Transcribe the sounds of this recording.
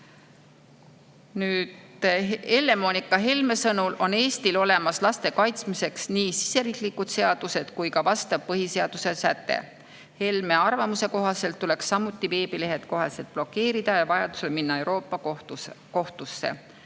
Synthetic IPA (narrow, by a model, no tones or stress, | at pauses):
nyːd̪̥ | e̞lːe̞monikːˑɑɦe̞lme̞sɤnulʔo̞ne̞ːst̪ilo̞le̞mɑslɑst̪e̞kɑjt̪smise̞ksniːsi̥se̞ɾiːklikːˑud̪̥se̞ɑd̪̥use̞d̪̥kujkɑvɑst̪ɑv̥pɤɦise̞ɑd̪̥use̞sæt̪ːˑḛ | he̞lme̞ɑrvɑmuse̞ko̞ɦɑse̞lt̪ːule̞ksːɑmːut̪ːˑive̞ːbile̞ɦe̞t̪ko̞ɦɑse̞lt̪̚plo̞kːe̞ːɾid̪̥ɑjɑvɑjɑd̪̥u̥se̞lminːɑe̞wɾo̞ːpːˑɑko̞ht̪usːḛ